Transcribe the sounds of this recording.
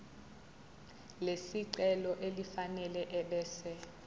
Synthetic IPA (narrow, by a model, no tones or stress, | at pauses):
lesiǀɛlɔʔelifanɛlɛʔɛɓɛːsɛ